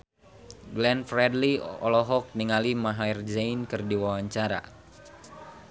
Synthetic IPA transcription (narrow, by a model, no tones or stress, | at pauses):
ɡlɛnfrɛdliɔ̰lɔɦɔk̚niŋalimaɦaird͡ʒajnkɨrdiwawaɲt͡ʃaɾa̰